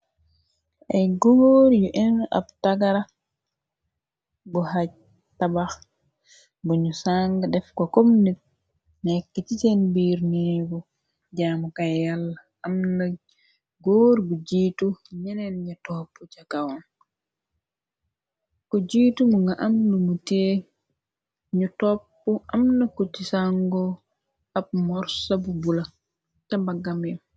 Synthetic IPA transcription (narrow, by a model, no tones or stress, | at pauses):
ʔɛjɡoːɾijɔʔɛna̰btaɡaɾa | bɔhaɟ | tabax | buɲusaŋɡadɛfkɔkomnit̚ | naɛkːɛt͡ʃit͡ʃɛnbiɾneeɡɔ | d͡ʒamɔkajjalːa | amna | ɡoːɾɡud͡ʒiːtuɲɛnɛnɲatɔpːut͡ʃakawɔn | kɔd͡ʒiːtumuŋɡaʔamlumute | ɲutɔpːɔʔamnakutisaŋɡɔ | ab̚mɔɾsabubula | tambaɡamjɛm